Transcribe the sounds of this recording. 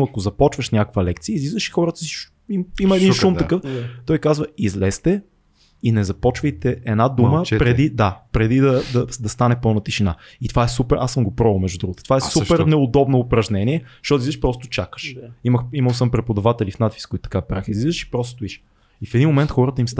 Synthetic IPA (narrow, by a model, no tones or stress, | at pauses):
ɐkozɐpɔt͡ʃvəʃnʲakə̥kvəlɛk̚t̪siəizlizvəʃi̥xɔɾət̪əizʃ | imiməɛd̪inʃumt̪ɐkɤft̪ɔjkazvəizlɛst̪ɛ | inɛzɐpɔt͡ʃvəjt̪ɛʔɛnad̪uməpɾɛd̪id̪apɾɛd̪id̪ɐd̪ɐd̪ɐst̪anɛpɤlˠnɐt̪iʃina | it̪ovaɛsupɛɾʔasəmɡopɾɔvəlˠmɛʒd̪ud̪ɾuɡot̪t̪o̥vaɛssupɛɾnɛʊd̪ɔbnoːpɾɐʒnɛniɛʃt̪ɔt̪ziʃpɾɔst̪ʊ̥t͡ʃakə̥ʃiməximɐlˠsəmpɾɛpod̪ɐvat̪ɛlifnat̪vi̥skoit̪t̪ɐkapɾaxizlizəʃi̥pɾɔst̪ost̪ʊiʃ | ifɛd̪inmomɛnt̪xɔɾət̪əimst̪